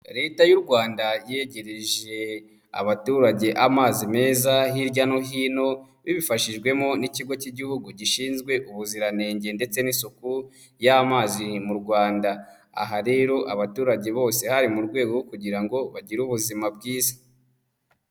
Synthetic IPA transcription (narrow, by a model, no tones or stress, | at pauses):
ɾe̞ːtajuɾɡwaːndajeɟe̞ɾeʒe̞ | a̰βatuːɾaɟe̞ʔamaːzime̞ːzaɦiɾɟano̞ɦiːno̞ | βiβifaʃiʒɡwe̞mo̞niciɡo̞ciɟihuɡuɟiʃiːnzɡwe̞ʔuβuziɾane̞ːɲɟe̞nde̞t͡se̞ninsuku | jamaːzimuɾɡwaːnda | a̰ɦaɾe̞ːɾo̞ʔaβatuːɾaɟe̞βo̞ːse̞haɾimuɾɡwe̞ːɡokuɟiɾaŋɡo̞βaɟiɾuβuzimabɡiːzḁ